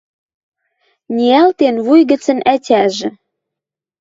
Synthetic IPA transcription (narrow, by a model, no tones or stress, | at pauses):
nʲiælt̪enβujɣə̆t͡sə̆nʔætʲæʒɘ̆